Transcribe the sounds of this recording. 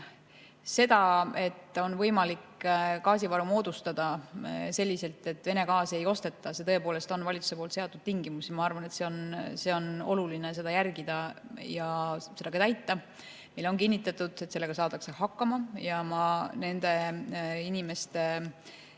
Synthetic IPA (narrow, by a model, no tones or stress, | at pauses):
se̞d̪̥ɑe̞t̪ːˑo̞nvɤ̞jmɑlikkɑːs̬ivɑɾumo̞ːd̪̥ust̪ɑd̪̥ɑse̞lʲːise̞lt̪ˑe̞t̪ːˑve̞ne̞kɑːse̞jo̞st̪e̞t̪ːˑɑse̞t̪ɤ̞epo̞ːle̞st̪o̞nvɑlʲit̪su̥se̞po̞ːlt̪se̞ɑt̪ːˑud̪̥̚t̪iŋɡimusiɑmɑɑrvɑnet̪se̞onse̞o̞no̞̰lulinese̞d̪̥ɑjærɡid̪̥ɑjɑse̞d̪ɑɡɑt̪æjt̪ːˑɑ | milːoŋkinːit̪ˑːɑt̪ːud̪̥e̞t̪ːse̞lːe̞ɡ̥ɑsɑːt̪ɑkse̞hɑkːˑɑmɑjɑmɑne̞nd̪̥e̞inime̞st̪e̞